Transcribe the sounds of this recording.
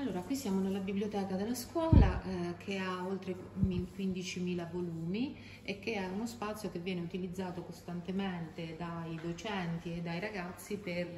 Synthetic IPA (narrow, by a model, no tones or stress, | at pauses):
alːoːɾakwisːjaːmonelːabiblijot̪ɛːkad̪elːaskwɔːlakʰeaolt̪ɾe | ikwind̪it͡ʃimiːlavoluːmi | ek̟ːeɛunospat̪sːjokevːjɛːneut̪ilid̪zːaːt̪okost̪ant̪ement̪ed̪ajd̪ot͡ʃɛnt̪ied̪ːajɾaɡat̪sːiper